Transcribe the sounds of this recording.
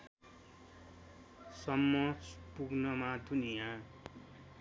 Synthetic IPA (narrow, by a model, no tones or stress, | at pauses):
sʌmːʌspuɡnʌmad̪ʱunijã